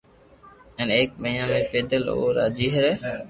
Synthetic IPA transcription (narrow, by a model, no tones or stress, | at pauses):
ɛːneːk̚məjãːmẽːpeːd̪əlo̰ːɾa̰ːd͡ʒiːɦəɾeː